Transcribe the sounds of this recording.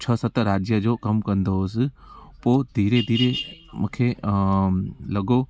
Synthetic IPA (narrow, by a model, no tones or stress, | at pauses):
t͡ʃʰəsɐt̪ɾaːd͡ʒjəd͡ʒokɐmkɐ̃nd̪os | poːd̪ʱiːɾed̪ʱiːɾemʊkʰe | lɐɡo